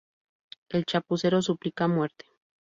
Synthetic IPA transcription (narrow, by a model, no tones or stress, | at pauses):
elt͡ʃapuseɾosuplikamwe̞ɾt̪e̥